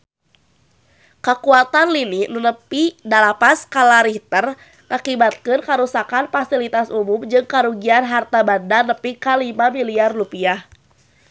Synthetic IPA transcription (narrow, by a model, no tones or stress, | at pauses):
kəkuat̪anlininunəpidalapaskalaɾit̪ər | ŋʔakibat̪̚kɨnkaɾusakanfasilit̪asumumd͡ʒɨŋkaɾuɡianɦart̪abandanəpikalimamiliarlupiah